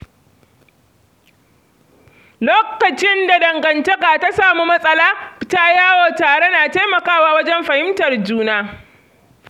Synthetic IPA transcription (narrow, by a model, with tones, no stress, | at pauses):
loː˦kɐ˨t͡ʃɪ˦nda˨dɐ˨ŋɡɐ˨ntɐ˦kaː˨ta˦saː˨muː˦mɐ˦sʼɐ˦laː˦ɪ˨taː˦jaː˦wo˨taː˨ɽe˦naː˨ta˦jmɐ˨kaː˦˨waː˦wɐ˦d͡ʒɛ˦mɸɐ˨hɪ˦mtɐ˨rd͡ʒuː˦naː˦